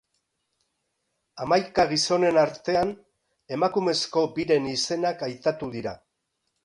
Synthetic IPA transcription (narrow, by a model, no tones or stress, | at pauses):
amajkaɣ̞iso̞ne̞naɾt̪e̞an | e̞makume̞sko̞biɾe̞nise̞nakajt̪at̪uðiɾa